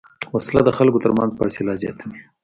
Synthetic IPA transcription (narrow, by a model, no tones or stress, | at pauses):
waslad̪əxalkot̪əɾmanzpɑselɑzjɑ̰t̪ʰami